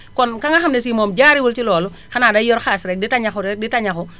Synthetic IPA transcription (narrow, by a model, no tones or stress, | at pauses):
kɔnkaŋaxamdesimɔːmd͡ʒaːɾiwultilɔːlu | xanadajɔɾxaːsɾɛk̚ditaɲaxɔɾɛk̚ditaɲaxɔ